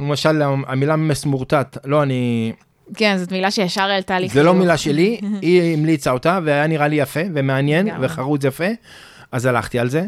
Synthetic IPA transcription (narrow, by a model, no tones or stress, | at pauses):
lemaʃalaamilamesmuʁtat̪lo̞ani | kenzot̪milaʃejaʃaʁelt̪aːlizelo̞milaʃe̞liimlit͡saot̪aveajaniʁalijafe̞vemeanje̞nveχaʁut͡sjafe̞ | azala̰χt̪ialze̞